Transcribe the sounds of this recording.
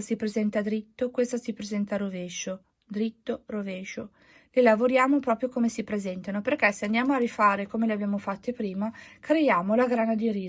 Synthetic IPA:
sipɾezɛnt̪ad̪ɾit̪ːokwest̪asipɾezɛnt̪aɾoveʃo | d̪ɾit̪ːoroveːʃo | lelavoɾjaːmopɾɔːpɾjokomesipɾezɛnt̪anoperkɛseand̪jaːmoarːifaːɾekomeleabjaːmofat̪ːepɾiːmakɾejaːmolaɡɾanad̪iɾiː

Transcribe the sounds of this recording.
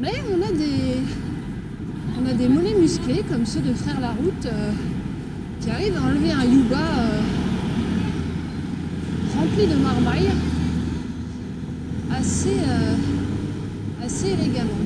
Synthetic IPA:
mɛɔ̃nad̪e | ɔ̃nad̪emɔnɛmysklekɔmsød̪əfχɛʁlaʁut̪ø | kʲiaʁivaɑ̃lveɛ̃juɡaø | ʁɑ̃plid̪əmaʁbʁaj | aseø | aseleɡamɑ̃

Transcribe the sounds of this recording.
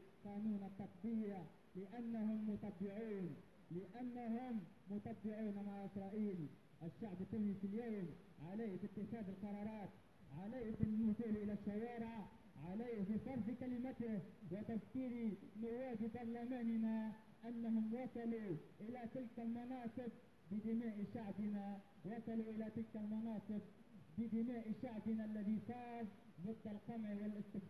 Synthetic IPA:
qɑːnuːnat̪ːɑq̚d̪ˤɨjːa | lɪʔanːaɦʊmːʊt̪ˤɑbːɪʕuːn | lɪʔanːaɦʊmːʊt̪ˤɑbːɪʕuːnmaʕʔɪsɾˤɑːʔiːl | ʔɪʃːaʕbɪt̪ːuːnifiljaːm | ʕalaːhfit̪ːɪxaːd̪ɪlqɑɾˤɑːɾˤɑːt̪̚ | ʕalaːfɪnːʊzuːlʔɪlæʃːawɑːɾɪʕ | ʕalaːbifɑɾˤfkalɪmat̪ɪhwɪt̪afkiːɾimʊwaːdibɑɾˤlamaːnɪna | ʔanːahʊmwɑsˤɑluʔɪlat̪ɪlkalmɑnɑːsˤɨb̚ | bɪd̪ɪmaːʔʃaʕbɪna | wɑsˤɑluʔɪlat̪ɪlkalmɑnɑːsˤɨb | bɪd̪ɪmaːʔiʃaʕbɪnalːaðisˤɑːɾ | bˤʊd̪ˤːɑlqɑmʕwɪlʔɪst̪ɪ

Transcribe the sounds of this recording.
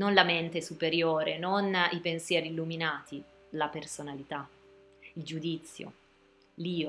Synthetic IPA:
nonlament̪esupeɾjoːɾenonipensjɛːɾiːlːuminaːt̪ʰi | lapersonalit̪a | ild͡ʒud̪it̪sːjo̰ | liːo

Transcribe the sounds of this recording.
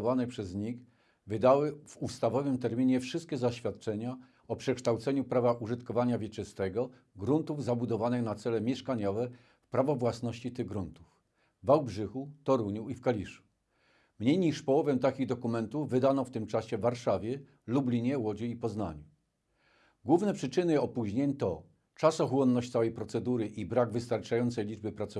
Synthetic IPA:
vanɛpʂɛzɲix | vɘd̪awɘv̥ust̪avɔvɘmt̪ɛɾmʲiɲɛfʂɘst̪̚kʲɛzaɕfʲjat̪̚t͡ʂɛɲa | ɔpʂɛkʂt̪awt̪sɛɲupɾavaʔuʐɘt̪kɔvaɲavʲjɛt͡ʂɘst̪ɛɡɔ | ɡɾunt̪uvzabud̪ɔvanɘxnat̪sɛlɛmʲjɛʂkaɲɔvɛ | fpɾavɔvwasnɔɕt͡ɕit̪ɘɣɡɾunt̪u̥f | vawbʐɘxut̪ɔɾuɲuifkalʲiʂu̥ | mɲejɲiʂpɔwɔvɛmt̪akʲiɣd̪ɔkumɛnt̪uvːɘd̪anɔft̪ɘmt͡ʂaɕɛvːaɾʂavʲjɛ | lublʲiɲɛwɔd͡ʑiipɔzna̰ɲu | ɡwuvnɛpʂɘt͡ʂɘnɘɔpuʑɲeɲt̪ɔ | t͡ʂasɔxwɔnːɔɕt͡ɕt̪sawɛjpɾɔt̪sɛd̪uɾɘʔibɾaɡvɘst̪aɾt͡ʂajɔnt̪sɛjlʲid͡ʐbɘpɾat̪sɔ

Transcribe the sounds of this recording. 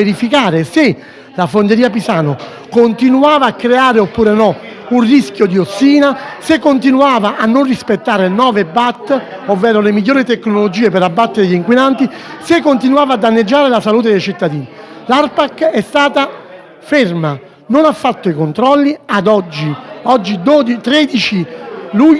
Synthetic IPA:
eɾifikaːɾese | lafond̪eɾiːap̬isaːno | kont̪inuaːvaːkːɾeaːɾeopːuːɾenɔunriskjod̪iosːiːnasekːont̪inuaːvaʔanːonrispet̪ːaːɾenɔːvebat̪ː | ovːɛːɾolemiʎːoːɾit̪ekːnolod͡ʒiːepeɾabːat̪ːeɾeʎiŋkwinant̪isekːont̪inuaːvad̪ːanːed͡ʒːaːɾelasaluːt̪̬ed̪ejt͡ʃit̪ːad̪iːnilarpakːɛst̪aːt̪a | ferma | nonafːat̪ːoikont̪ɾɔlːiad̪ɔd͡ʒːiɔd͡ʒːid̪od̪it̪ɾɛːd̪it͡ʃilu

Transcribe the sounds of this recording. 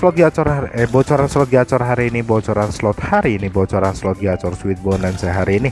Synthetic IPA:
slɔt̪̚ɡat͡ʃɔɾaɛbɔt͡ʃɔɾanslɔt̪̚ɡat͡ʃɔɾɦaɾiːnibɔt͡ʃɔɾanslɔt̪haɾiːnibɔt͡ʃɔɾanslɔt̪̚ɡat͡ʃɔrswɪt̪̚bɔnaŋsaɦaɾiːni

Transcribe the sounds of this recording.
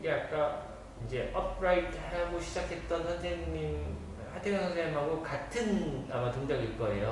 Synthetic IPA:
ɡeak͈a | ind͡ʑe̞ʔʌp̚ʰɾaitʰhaɡoɕʰid͡ʑakʰe̞t̚t͈ʌnhadʰeŋɲim | hatʰeŋaŋɡɯɾemɦaɡokatʰɯnamatoŋdʌɡiɭk͈ʌejo

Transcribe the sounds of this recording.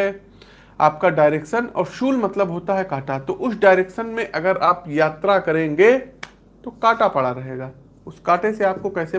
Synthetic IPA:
ɛ | aːp̚kaɖaːɪɾeːkʃənɔ̰ːɾʃuːlmɐt̪ləbɦoːt̪aɦɛkaːʈat̪oʔʊsɖaːɪɾeːkʃənmẽʔɐɡəɾaːpjaːt̪ɾakɐɾẽːŋɡeː | t̪okaːʈapɐɽaɾɐɦeːɡaː | ʊskaːʈeseaːp̚kokɛːse

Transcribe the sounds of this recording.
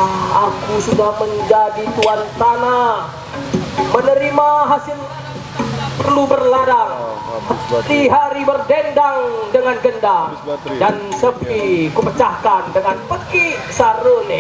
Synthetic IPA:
akusudahməɲd͡ʒadit̪uant̪anah | mənəɾimaɦasɪl | pərlubərladaŋ | hət̪iɦaɾibərdɛndaŋdəŋanɡənda | dansəpikupət͡ʃahkandəŋanpəkisaɾon

